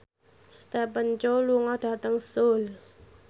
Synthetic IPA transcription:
st̪ɛpənt͡ʃoluŋɔd̥a̤t̪əŋsol

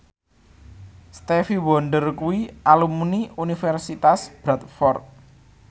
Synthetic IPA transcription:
st̪efiwɔɳɖərkuwialumuniunifɛrsit̪asb̥ɾat̪̚fɔrt̪̚

